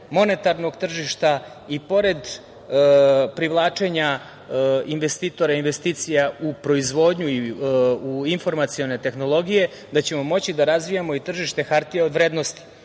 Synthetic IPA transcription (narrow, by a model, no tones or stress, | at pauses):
mo̞ne̞t̪aɾno̞ɡt̪r̩ʒiʃt̪a | ipo̞ɾe̞d̪ | pɾiʋlˠaːt͡ʂe̞ɲa | inʋest̪iːt̪o̞ɾainʋe̞st̪iːt̪sijaupɾo̞izʋo̞ːd̪ɲuiuinfo̞ɾmat̪sio̞ne̞t̪e̞xno̞lˠo̞ɡije̞ | d̪at͡ɕe̞mo̞mo̞t͡ɕid̪aɾazʋijamo̞it̪r̩ʒiʃt̪e̞xaɾt̪ijao̞d̪ʋɾeːd̪no̞st̪i̥